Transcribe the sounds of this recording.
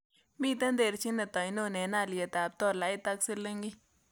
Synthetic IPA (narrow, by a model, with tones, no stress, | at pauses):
mi˦t̪e˦nd̪e˧˨ɾt͡ʃi˦ne˧t̪a˨jno˦ne˨na˧˨lje˨t̪a˨b̚t̪o˧la˨˦jt̪a˧ksi˧le˦ŋɡi˦